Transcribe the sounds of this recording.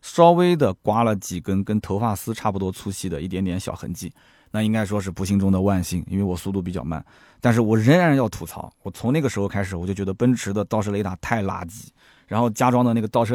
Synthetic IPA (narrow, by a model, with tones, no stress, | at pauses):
ʂɑ˥ʊwe˥ɪd̪ə˨kwa˥lə˨t͡ɕi˨˩kə˥nkə˥nt̪ʰo˧˥ʊfa˥˩sɹ̩˥ʈ͡ʂʰa˥˩pu˩t̪wɔ˥t͡sʰu˥ɕi˥˩d̪ə˩i˥˩t̪jɛ˧˥nt̪jɛ˧˥nɕjɑ̰˨˩xə̰˧˥nt͡ɕi˥˩ | na˥˩i˥ŋka˥ɪʂ̬wɔ˥ʂ̬ɻ̩˥˩pu˧˥ɕi˥˩ŋʈ͡ʂʊ˥ŋd̪ə˨wa˥˧nɕi˥˩ŋḭ˥nwe˥˩ɪwɔ˨˩su˥˧t̪u˥˩pi˨˩t͡ɕjɑ̰˥˩ʊma̰˥˩n | t̪a˥˧nʂ̬ɻ̩˥˩wɔ˨˩ɻə˧˥nɻa˧˥njɑ˥˩ʊt̪ʰu˧˥t͡sʰɑ̰˧˥ʊwɔ˨˩t͡sʰʊ˧˥ŋa˥˩ɡə˩ʂɻ̩˧˥xo˧ʊkʰa˥ɪʂɻ̩˨˩wɔ˨˩jo˥˩t͡ɕɥɛ˧˥d̪ə˧pə˥nʈ͡ʂʰɻ̩˧˥d̪ə˧t̪ɑ˥˧ʊʂ̬ʰɤ˥˧ə˧i˥˩t̪a˨˩t̪ʰa˥˩ɪla̰˥t͡ɕi˧˩˦ | ɻa˧˥nxo˥˩ʊt͡ɕja˥ʈ͡ʂwɑ˥ŋd̪ə˧˥˩ɡət̪ɑ˥˩ʊʂʰɤ˥˧